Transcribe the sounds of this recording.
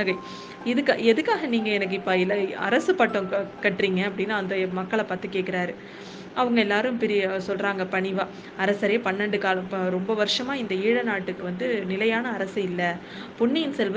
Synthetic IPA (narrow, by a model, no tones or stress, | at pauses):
ɐɣɐɪ | ɪðɯkːɛðɯkːaːɣɐniːŋɡɐɛnɐk̬ːɯɪpːaɪlːɐɐ̰ɾɐsɯpɐʈːõkɐʈːriːŋɡɐɐpːɐɽɪnːaːɐnd̪ɐmɐkːɐɭɐpaːt̪ːɯkːeːʈkɪɾaːɾɯ | ʔɐʋɐŋɡɐɛlːaːɾɯmpɛɾɪsɔlɾaːŋɡɐpɐɳɪʋaː | ɐɾɐsɐɾeːpɐɳːɐɳɖɯkaːlɐɾɔmbɐʋɐɾɯʂɐmaːɪnd̪ɐiːɻɐnaːʈːɯkːɯʋɐnd̪ɯnɪlɐjaːnɐːɾɐsɯɪlːɐ | pʊɳːɪjɪnsɛlʋɐ